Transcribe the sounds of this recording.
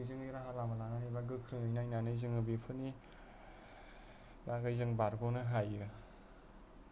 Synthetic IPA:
jzɯŋiɾaɦalamalananibaɡɯkʰɾɯŋɯjnajnanɯjzɯŋɯbipʰɯni | baɡajzɯŋbaɾɡonɯɦajɯ

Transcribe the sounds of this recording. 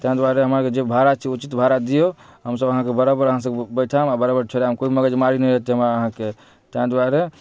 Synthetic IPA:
t̪ãd̪waɾeɦəmaɾked͡ʒebʱaɾat͡ʃʰɛut͡ʃit̪bʱaɾad̪ijoɦəmsəbəɦãkebəɾabəɾəɦãsəbbəjʈʰamabəɾabəɾt͡ʃʰoɾjamkobiməɡəd͡ʒmaɾinəjɾəɦt̪iɦəmɾaəɦãke | t̪ãd̪waɾe

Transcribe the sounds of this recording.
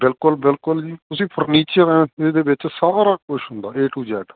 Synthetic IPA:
bɪlkʊlbɪlkʊld͡ʒiːt̪ʊsĩːpʰəɾniːt͡ʃəɾɛ̃ːeːd̪eːʋɪt͡ʃsaːɾaːkʊʃɦʊ̃nd̪aːeːʈuːd͡ʒɛːɖ

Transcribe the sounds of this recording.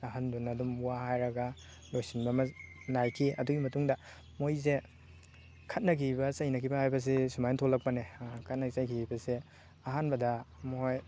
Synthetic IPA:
ɐɦanbunɐdumuwahajɾɐɡɐ | lojsinbɐmɐnajkʰiɐduɡimɐtuŋdɐ | mojze | kʰɐt̚nɐkʰibɐsɐjnɐkʰibɐhajbɐs̬isumajntʰolɐk̚pɐnekʰɐt̚nɐɡisɐjkʰibɐse | ɐɦanbɐdɐmɔhoj

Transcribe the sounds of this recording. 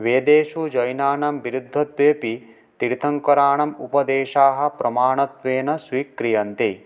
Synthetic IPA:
ʋeːd̪eːʃud͡ʒɐjnaːnɐmʋiɾud̪ʱːɐt̪ʋeːpi | t̪iɾit̪ʰɐŋkɐɾaːɳɐmṵpɐd̪eːʃaːɦɐ̆pɾɐmaːɳɐt̪ʋeːnɐsʋiːkɾijɐnt̪i

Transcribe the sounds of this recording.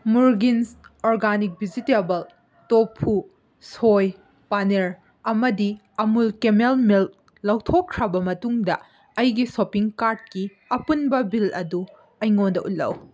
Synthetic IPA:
muɾɡinsoɾɡanik̚bʱizitebɐl | topʰːu | soj | paneɾ | ɐmɐdi | ɐmulkemelmilk̚ | lɐwtʰokkʰɾɐbɐmɐtuŋdɐ | ɐjɡisopiŋkaɾd̚ki | ɐpunbɐbilɐdu | ɐjŋondɐʔṵlːɐ̰w

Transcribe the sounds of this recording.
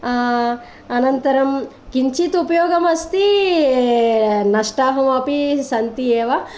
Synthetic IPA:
ɐnɐnt̪ɐɾɐm | kiɲt͡ʃit̪upɐjoːɡɐmɐst̪i | nɐʂʈaːɦɐmapisɐnt̪ieːʋa

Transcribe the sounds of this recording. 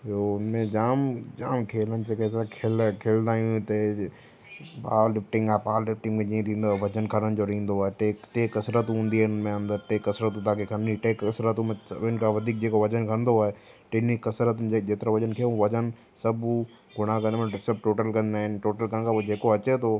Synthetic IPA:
oʊnmẽd͡ʑaːmd͡ʑaːmkʰeːlənɪ̆d͡ʑeːkesãkʰeːlkʰeːlnd̪aːijũt̪ɐ | paːlɪfʈɪ̃ŋɡaːpaːllɪfʈɪ̃ŋɡmẽd͡ʑĩːə̃t̪ʰĩːnd̪oaːɦʋɐd͡ʑənkʰəɽənɪ̆d͡ʑoɾĩːn̆d̪oaːeʈeːkʈeːkːɐsɾət̪ɦũːn̆d̪iɪnmẽɐ̃nd̪əɾʈeːkːɐsɾət̪ũt̪aːkʰekʰəniʈeːkɐsɾət̪ũm̃ʊɦɪnkʰaʋɐd̪ʱiːk̚d͡ʑeːkoʋɐd͡ʑənkʰɐ̃nd̪oaːɦe | ʈenikːɐsɾət̪ed͡ʑeːt̪ɪɾaʋɐd͡ʑənkʰeũʋɐd͡ʑən | sɐb | ɡʊɽ̃akɐ̃nd̪̃sɐbʈoːʈəlkɐ̃nd̪aːɦɪnʈoːʈəlkɐnnkapod͡ʑeːkoɐt͡ɕet̪ʰo

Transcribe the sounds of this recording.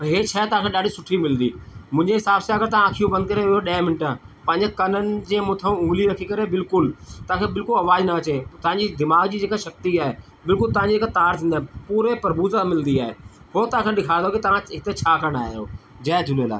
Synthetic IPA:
ɦeːt͡ɕʰaːt̪ɐʋãkʰẽɗaːɖisʊʈʰimɪlnd̪iːmʊ̃ɦɪ̃ɲd͡ʑeɦɪsaːbsiaːkɐɾt̪ɐʋãəːkʰijũbɐnd̪̚kɐɾeɪɦoɗɐ̃mɪnɪʈã | pɐ̃ɦɪ̃ɲd͡ʑekɐnənɪ̆d͡ʑẽːmʊt̪ʰũʊ̃ːliɾɐkʰikɐɾebɪlkʊlt̪ɐãkʰebɪlkʊlɐʋaːd͡ʑnɐːt͡ɕet̪ɐʋãɲd͡ʑid̪ɪmaːɡd͡ʑiːd͡ʑeːkaʃɐk̚t̪iaːɦe | bɪlkʊlt̪ɐʋ̤ãɲd͡ʑiːkt̪aːɾt̪ʰĩːnd̪aːpuːɾepɐɾbuːzamɪld̪iaːɦeː | ɦoːt̪ɐʋãːkʰẽɗɪkʰaːnd̪oːkit̪ɐʋãɦɪt̪et͡ɕʰaːkɐɽ̃a̰ːɦijoː | d͡ʑɐːd̪ʱʊnla̰ː

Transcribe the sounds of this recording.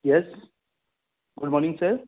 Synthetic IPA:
jɛs | ɡ̥ʊɖmɔːɾnɪ̃ŋɡsəɾ

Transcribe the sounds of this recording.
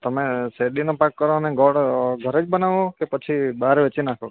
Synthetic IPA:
t̪əmeseɗinopakːəɾoneɡɔɽɡʱəɾed͡ʒbənaʋõkepət͡ʃʰibaɾʋet͡ʃinakʰo

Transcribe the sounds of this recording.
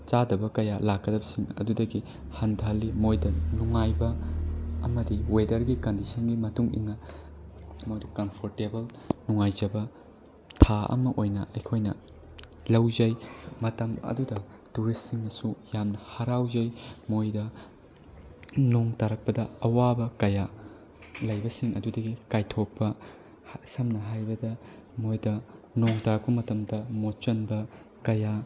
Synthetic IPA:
t͡ʃadɐbɐkɐjalakːɐdɐbɐsiŋɐ̰dudɐɡi | hɐndʱalːimojdɐnuŋajbɐː | mɐdiwedɐɾɡikɐndisɐnɡimɐtuŋḭnːɐ | mojdɐkɐmpʰoɾtebelnuŋajd͡ʒɐbɐ | tʰaɐ̰mɐʔojnɐʔɐjkʰojnɐ̰ | lɐwzɐjmɐtɐmɐ̰dudɐ | tuɾisːiŋnɐsujamnɐhɐɾawzɐjmojdɐ | noŋtaɾɐk̚pɐdɐɐwabɐkɐja | lɐjbɐsiŋɐdudɐɡikajtʰok̚pːɐ | sɐmnɐɦajbɐdɐmojdɐ | noŋtaɾɐk̚pɐmɐtɐmdɐmot͡ʃɐnbɐ | kɐja

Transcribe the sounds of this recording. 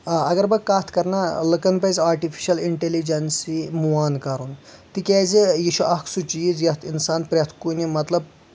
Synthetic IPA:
ɐɡɐɾbɐkːaːt̪ʰkɐɾnalɨkɐnpɐzʲaːɾʈifʰi̥ʃɐliɳʈelid͡ʒɐnsimuaːnkɐɾunt̪ikʲɛːzejiʃuʔɐkʰsut͡ʃiːzjɐt̪ʰinsaːnpɾʲɐt̪ʰkunimɐt̪lɐb

